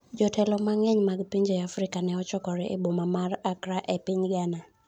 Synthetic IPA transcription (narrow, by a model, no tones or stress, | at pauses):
d͡ʒɔtʰɛlɔmaŋɛɲmaɡpiɲd͡ʒɔjafɾikanɛɔt͡ʃɔkɔɾɛʔḛbomamaɾakɾaʔɛpiɲɡana